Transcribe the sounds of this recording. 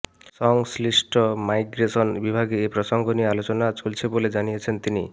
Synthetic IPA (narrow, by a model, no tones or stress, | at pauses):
sɔŋslisʈɔmajɡɾesɔnbibʱaɡeepɾɔsɔŋɡʱɔnijealot͡ʃɔnat͡ʃolt͡ʃʰeboled͡ʒanijet͡ʃʰent̪ini